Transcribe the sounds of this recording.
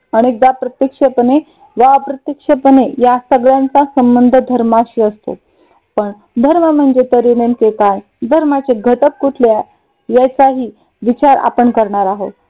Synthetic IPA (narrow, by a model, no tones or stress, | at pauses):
əɽ̃ek̚d̪apɾət̪jəkʂəpəne | ʋaəpɾət̪jəkʂepənejasəɡɭjãnt͡sasəmbənd̪ʱəd̪ʱəɾmaɕiəst̪o̰ | pəɳ | d̪ʱəɾməm̤əɳd͡zet̪əɾinenkekaj | d̪ʱəɾmat͡seɡʱət̪ək̚kuʈʰleaj | jat͡saɦiː | ʋit͡ɕaɾa̰pəɳkəɾɳaɾaɦot̪